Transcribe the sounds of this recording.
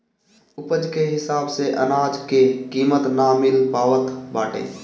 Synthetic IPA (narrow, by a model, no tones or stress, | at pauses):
ʊpəd͡ʒkeɦɪsaːbseʔənaːd͡ʒkekiːmət̪namɪlpaːʋət̪baːʈḛ̃ː